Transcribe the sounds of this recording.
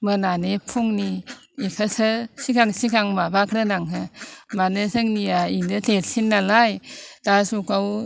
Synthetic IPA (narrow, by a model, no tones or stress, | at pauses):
mɯnanepʰuŋniː | kʰasɯsikaŋsikaŋmabakʰɾɯnaŋɦɯmanɯsɯŋniainɯtʰet̚sinːalajd̥asukaw